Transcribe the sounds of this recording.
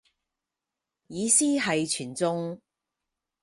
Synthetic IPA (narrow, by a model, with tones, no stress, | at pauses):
jiː˨˧siː˥ɦɐ˨jt͡ʃʰyː˨˩nt͡sʊ˥ŋ